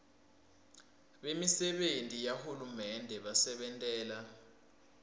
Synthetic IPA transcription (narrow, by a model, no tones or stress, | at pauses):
ɓemisɛɓentʼijahulumɛndʱɛɓasɛɓɛntʼɛːla